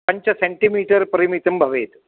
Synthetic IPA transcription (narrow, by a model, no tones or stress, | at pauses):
pɐɲt͡ʃɐseɳʈimiːʈɐɾpɐɾimit̪ɐmbʱɐʋeːt̪